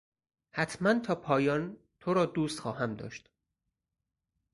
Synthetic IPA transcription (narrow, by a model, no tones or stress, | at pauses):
hæt̪ʰmænt̪ʰɒːpʰɒːjɒːn | t̪ʰoɾɒːd̪uːst̪xɒːɦæmd̪ɒ̰ːʃt̪